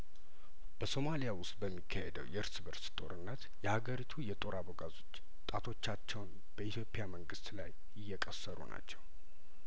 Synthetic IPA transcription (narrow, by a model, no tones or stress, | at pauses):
b̥əso̞malijawʊst̪̚ʼbəmːikʰːəhed̪ə̰wjɛɨɾsbəɾst̪ʼo̞̰ɾɨnːət̪ | jɛhaɡəɾit̪ʰujɛt̪ʼo̞ɾaboɡazo̞t͡ʃː | t̪ʼat̪ʰo̞t͡ʃːat͡ʃːɛwn | b̥əit̪ʰjo̞pʼɪjaməŋɡɨst̪la̰j | ɪjːɛkʼəsːəɾṵna̰t͡ʃːɛw